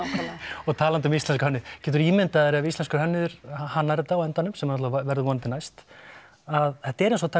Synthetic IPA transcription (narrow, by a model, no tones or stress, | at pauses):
kʰalɔɣt̪ʰaːlant̪ʏʏmist̪ɛnskḁɾhœnːɪʏcɛːt̪̬ʏɾiːmɪnt̪aðɛɾɪavist̪lɛnskʏɾɦœnːʏðʏɾ̥ahanːaɾɛt̪ːawɛnt̪anːʏmsɛmhanɔt̪lavɛɾðʏvɔnnt̪ɪnajst̪ | aðθɛht̪aɛɾɛnsɔt̪ʰaː